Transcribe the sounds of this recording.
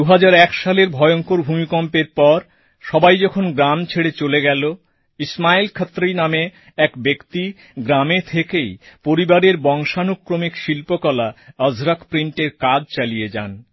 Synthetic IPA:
d̪uɦad͡ʑaɾɛkʃaleɾbʱɔeoŋkoɾbʱumikɔmpeɾpɔɾ | ʃɔbajd͡ʑɔkʰonɡɾamt͡ɕʰeɽet͡ɕoleɡɛlo | ismailkʰat̪ːɾejname | ɛkbekt̪i | ɡɾamet̪ʰekejpoɾibaɾeɾbɔŋʃanukːɾomikʃilpokɔlaəzɾakpɾiɳʈeɾkad͡ʑt͡ɕalijed͡ʑa̰n

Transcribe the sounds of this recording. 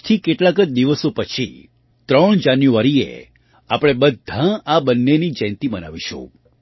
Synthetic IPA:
t̪ʰikeʈlakəd͡ʒd̪iʋəsopət͡ʃʰi | t̪ɾəɳ̃d͡ʒanjuʋaɾiḛ | a̰pɽ̃ebəd̪ʱãabənːenid͡ʒɛ̃nt̪ibəna̰ʋiʃṵ̃

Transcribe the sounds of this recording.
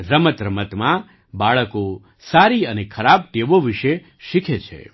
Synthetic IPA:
ɾəmət̪ɾəmət̪mã | baɭəko | saɾiənekʰəɾab̚t̪eʋoʋiʃe | ʃikʰet͡ʃʰḛ

